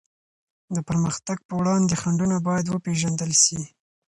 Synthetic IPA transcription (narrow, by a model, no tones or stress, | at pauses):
d̪əpəɾməxt̪aɡ̚pəwɽɑnd̪exaɳɖunabɑjad̪wəpeʒand̪əlʃi